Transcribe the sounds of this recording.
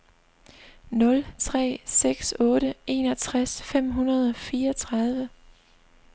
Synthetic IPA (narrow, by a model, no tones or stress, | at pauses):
nɔ̽lt͡sʰʁɛ̰ːseɡ̥sɔ̽ːɾəe̝̰ːnɒ̽t͡sʰʁasfem̰ɦunɐðˠɒ̽fiːɐɒt͡sʰʁɑ̈ð̞ˠʋə